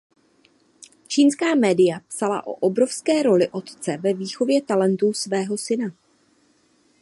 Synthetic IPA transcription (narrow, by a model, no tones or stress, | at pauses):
t͡ʃiːnskaːmɛːdɪjapsala̰ʔo̰ʔobɾo̞fskɛːɾo̞lɪʔo̞t̪t͡sɛvɛviːxo̞vjɛt̪alɛnt̪usvɛːɦo̞sɪna